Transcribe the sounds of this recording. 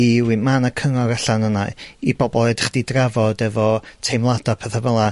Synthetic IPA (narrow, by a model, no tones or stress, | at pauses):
iwimanakʰəŋɔɾaɬanənaɨibɔbɔlˠɛdχd̥idravɔdɛvɔtʰejmlˠadapʰɛθəvəlˠa